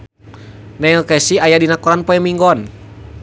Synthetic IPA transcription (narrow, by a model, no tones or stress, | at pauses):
nailkɛsiajadinakɔɾanpɔɛmiŋɡɔn